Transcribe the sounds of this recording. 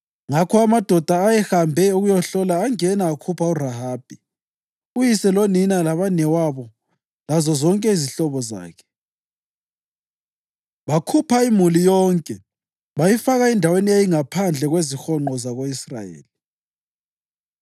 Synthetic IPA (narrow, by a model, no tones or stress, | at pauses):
ŋakʰɔamad̥ʱɔd̥ʱaːjɛxambʱɛuɣujɔɬɔlaːŋɛnaːkʰupʰauraɦaːb̥ʱi | ujisɛloninalaβanɛwaβɔ | lazɔzɔŋkʼɛiziɬɔβɔza̰ːkʰɛ̥ | βakʰupʰaimulijɔːŋkʼɛ | βajifaɣaɛndʱaweniejiŋapʰand͡ɮʱɛɣwezixɔŋ͡ǃɔzaɣoisra̰jḛːli